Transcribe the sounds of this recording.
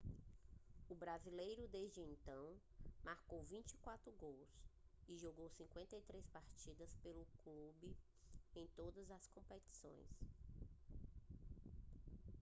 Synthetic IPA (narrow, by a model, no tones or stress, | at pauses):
ʊbɾazilejɾʊd̪ezd͡ʒɪẽnt̪ɐ̃w̃ | maɾkowvĩnt͡ʃikwat̪ɾʊɡowsɪʒoɡowsĩŋkwẽnt̪ɐit̪ɾespaɾt͡ʃid̪ɐspelʊklubɪ | ẽj̃t̪od̪ɐzɐskõpet͡ʃi̥sõ̰j̃s